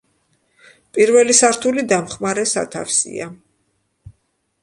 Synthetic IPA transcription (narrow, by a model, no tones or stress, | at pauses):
pʼiɾvɛlisaɾt̪ʰulid̪amχmaɾɛsa̰t̪ʰa̰fsḭa